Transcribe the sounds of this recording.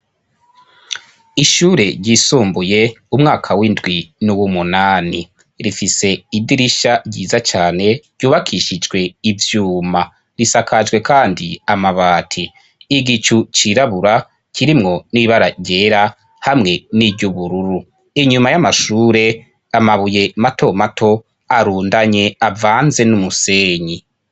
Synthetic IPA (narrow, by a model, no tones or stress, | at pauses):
iʃuɾe̞ɟisuːmbuje̞umŋaːkʰawindɡwinuwumunaːni | ɾifise̞idiɾiʃaɟḭːzat͡ʃaːne̞ɾɟ̥uːβakʰiʃid͡ʒɡwe̞ivjuːma | ɾisakʰad͡ʒɡwe̞kaːndiamaβaːtʰiː | ɡit͡ʃut͡ʃiɾaβuɾa | kʰiɾimŋo̞niβaɾaɟe̞ɾa | hamŋe̞niɟuβuɾuɾu | iɲumajamaʃuːɾe̞ | amaβuje̞mato̞matʰo̞ | aɾuːndaɲe̞avaːnze̞numuseːɲi